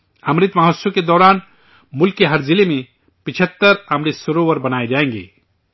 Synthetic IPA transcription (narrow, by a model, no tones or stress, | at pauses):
əmɾɪt̪maɦosoked̪ɔːɾaːn | mʊlkːeɦəɾd͡ʒilemẽ | pɪt͡ʃʰət̪ːəɾəmɾisʊɾoʋəɾbɐnaːed͡ʒaːẽŋɡḛː